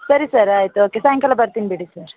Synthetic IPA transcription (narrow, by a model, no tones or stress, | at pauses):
sɐɾisɐɾaːjt̪oːkesãŋkɐlabɐɾt̪inbiɽisɐɾ